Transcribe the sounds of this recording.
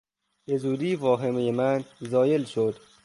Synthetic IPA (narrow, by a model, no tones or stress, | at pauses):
ezuːɾiːvɒːɦemejemænzɒːjelʃod̪̥